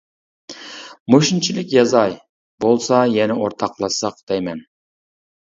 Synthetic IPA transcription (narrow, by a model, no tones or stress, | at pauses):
moʃint͡ʃʰilɪkʲjɑzɑj | bolˠsɑjɛnɪoɾt̪ʰɑqlˠɑsɑqd̪̥ɛjmɛn